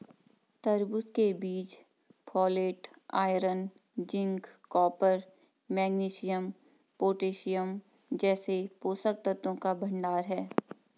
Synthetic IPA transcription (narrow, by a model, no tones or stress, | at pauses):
t̪əɾbʊskebiːt͡ʃ | pʰɔːleːʈ | aːɪɾən | d͡ʒɪ̃ŋɡkɔːpəɾ | mɛːɡniːʃɪjəm | poːʈeːʃijəm | d͡ʒɛːsepoːsək̚t̪ət̪õkabʱɐ̃ɳɖaːɾɦɛː